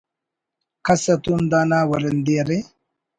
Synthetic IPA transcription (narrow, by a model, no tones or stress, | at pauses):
kɐsɐt̪und̪aːnaːwɐɾɐnd̪eːɾe